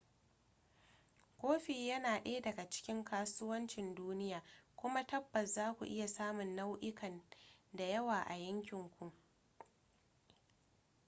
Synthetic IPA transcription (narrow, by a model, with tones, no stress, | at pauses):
kʷoː˦ɸi˨jɐ˦naː˨ɗeː˦dɐ˨ɡa˨t͡ʃɪ̥˦kʲɪ˦ŋkʰaː˦sʊ˦wɐ˦nt͡ʃɪ˨nduː˦nɪ˦jaː˨kʷʊ˦ma˦tɐ˦bːɐ˨szaː˦kʷṵ˨ʔɪ˦ja˨saː˦mʊ˨nːa˦wʔɪ˦kɐ˨nda˨jɐ˦waː˨ʔa˨jɐ˦ŋkʲɪ˨ŋkʷu˨ʔ